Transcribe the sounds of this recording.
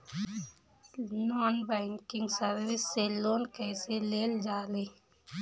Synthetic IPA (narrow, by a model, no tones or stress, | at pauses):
nɔːnbɛːŋkɪ̃ŋɡsəɾʋɪsːeloːnkɛːseleːld͡ʒaːleː